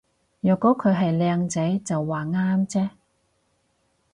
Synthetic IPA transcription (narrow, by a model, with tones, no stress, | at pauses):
jœː˨kːɔː˨˥kʰɵ˨˧ɦɐ˨jlɛː˧ŋt͡sɐ˨˥jt͡sɐ˨wːaː˨˩ŋaː˥mt͡sɛː˥